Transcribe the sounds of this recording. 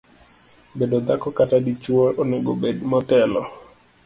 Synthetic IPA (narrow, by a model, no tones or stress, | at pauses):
bedod̪akɔkatadit͡ʃwolʔɔnɪɡobedmɔtɛlɔ